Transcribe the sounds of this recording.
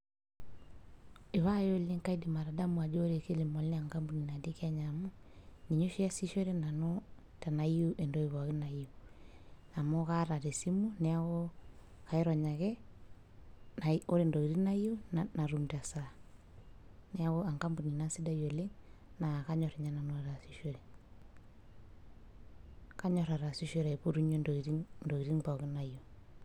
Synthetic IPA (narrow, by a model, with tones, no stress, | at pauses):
i˨βa˦jɔ˦li˦ŋka˦i˦dima˨ɾa˨da˦mu˨a˨d͡ʒɔ˦ɾe˨ke˦li˨mɔ˨lɛa˨ŋka˦mbu˦ni˨na˨di˦kaɲamɔ˦ni˨ɲɔ˦ʃi˦a˦si˦ʃɔ˦ɾɛ˦na˨nɔ˦ | ta˨na˨i˦u˦ʔɛ˨ndɔ˨iβaɣi˦na˨iu | na˨mɔ˦ɣaɾa˨ɾɛ˨si˦mu˦nɛ˨a˦ɣɔ˦ | ka˨ɛ˦ɾa˨ɲa˨ɣɛ˦ | na˨o˦ɾe˨ndo˨i˨ɾi˦na˦ju˦nna˨ɾu˨mda˨sa | nɛ˦a˦ɣo˦a˨ŋka˦mbu˨ni˨na˦si˦da˦jo˨le˦ŋna˨ka˦ɲɔ˨ɾe˨ɲa˦na˨no˦˨ɾa˨si˦ʃo˦ɾe˨ | ka˦ɲɔ˦ɾa˨ɾa˨si˦ʃo˦ɾa˨i˨pu˦ɾu˦ɲo˦di˦ndo˨i˨ɾi˦ŋba˨ɣi˦na˨ju˨